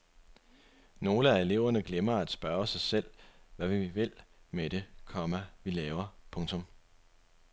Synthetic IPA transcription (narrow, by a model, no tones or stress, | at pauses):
no̝ːləæe̝le̝ʊ̰ɐnəɡ̥lemɐæd̥sb̥ɶɐsɑ̈ɪsel̰ʋæʋiʋe̝l̰meɾ̥ekʰɒ̽mæʋilɛːʊɐpʰɔ̽ŋt͡sʰɔ̽m